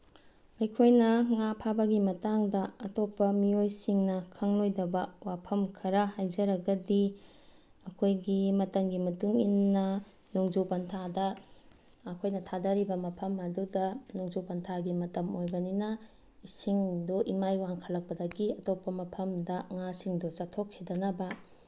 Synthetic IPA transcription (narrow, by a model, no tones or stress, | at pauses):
ɐjkʰojnɐŋapʰabɐɡimɐtaŋdɐɐtopːɐmiojsiŋnɐkʰɐŋlojdɐbɐwapʰɐmkʰɐɾɐhajzɐɾɐɡɐdi | ɐkʰojɡimɐtɐŋɡimɐtuŋinːɐ | nuŋzupɐntʰadɐː | kʰojnɐtʰadɐɾibɐmɐpʰɐmɐdudɐnuŋzupɐntʰaɡimɐtɐmojbɐninɐ | isiŋduʔimajwaŋkʰɐlɐk̚pɐdɐɡiɐtopːɐmɐpʰɐmdɐŋasiŋdusɐtʰːokʰːedɐnɐbɐ